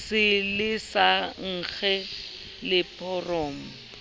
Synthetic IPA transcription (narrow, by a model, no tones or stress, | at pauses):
sɪlɪsaŋ̩k͡xʰɛ | lɪpʰʼɔroːm̩